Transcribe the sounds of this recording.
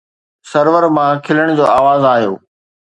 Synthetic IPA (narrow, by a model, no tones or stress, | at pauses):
sɐɾʋəɾmãkʰɪləɽ̃d͡ʑoːaːʋaːzaːɦijo̰ː